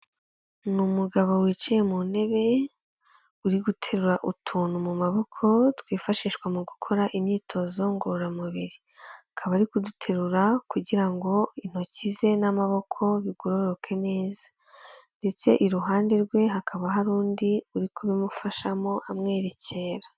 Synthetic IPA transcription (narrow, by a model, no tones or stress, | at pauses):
numuɡaβowiːt͡ʃije̞mune̞βe̞ | uɾiɡutʰe̞ɾuɾaʔutʰuːnumumaβo̞kʰo̞twiːfaʃiːʃkwamuɡukʰo̞ɾaʔimɲiːtʰo̞zo̞ŋɡoɾoɾamuβiɾi | akʰaβaɾikudutʰe̞ɾuɾakuɟiɾaŋɡo̞in̥ho̞cize̞namaβo̞kʰo̞βiɡoɾo̞ɾokʰe̞ne̞ːzḁ | nde̞t͡se̞̰ʔiɾuɦaːndeɾɡwe̞ɦakʰaβaɦaɾuːndiuɾikuβimufaʃamo̞ʔamŋe̞ːɾe̞cʰe̞ːɾa